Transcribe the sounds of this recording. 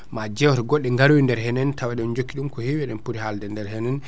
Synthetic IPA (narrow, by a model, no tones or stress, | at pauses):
mad͡ʒɛwɔɾɡɔɗːɛŋɡaɾuwindɛɾhɛnɛntʰawaɗɛɔnd͡ʒokːiɗumkɔhewɛɗɛnpuɾihaldɛndɛɾhɛnɛn